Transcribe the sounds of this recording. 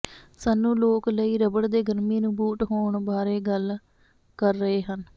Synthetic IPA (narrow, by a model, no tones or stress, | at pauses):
saːnːũːloːkləiːɾəbəɽd̪eːɡəɾmiːnũːbuːʈɦoːɳbaːɾeːɡəl | kəɾːəɦeːɦən